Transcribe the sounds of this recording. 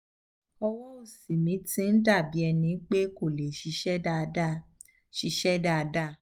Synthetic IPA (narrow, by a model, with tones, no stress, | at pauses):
ɔ˧wɔ˦o˦˨si˨mĩ˨˦tĩ˦n̩˦da˦˨bi˨˦ɛ˧nĩ˧˦k͡pe˦ko˦˨le˨ʃi˨˧˦ʃɛ˦a˦ | ʃi˧˦ʃɛ˦da˦˨˧da˦˨